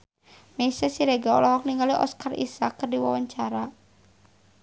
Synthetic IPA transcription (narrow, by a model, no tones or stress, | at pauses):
mesɛsiɾeɡaɔ̰lɔɦɔk̚niŋɡaliʔɔ̰skarʔḭsakːərdiwawaɲt͡ʃaɾa